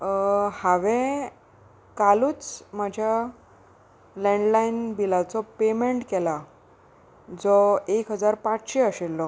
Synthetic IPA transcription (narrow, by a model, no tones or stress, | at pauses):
haʋe | kaluːt͡smad͡ʑʱja | leɳɖlainbilat͡sɔpemeɳʈkɛla | d͡zɔekɦəd͡zaɾpãt͡sɕeəɕelːɔ